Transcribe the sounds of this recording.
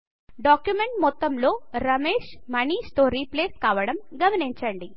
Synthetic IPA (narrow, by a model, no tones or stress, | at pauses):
ɖaːkjumeɳʈmɔt̪ːɐmlo̞ːɾɐmeːʂmɐniːsʈoːɾipleːskaːʋɐɽɐmɡɐmɐniɲt͡ʃɐɳɖi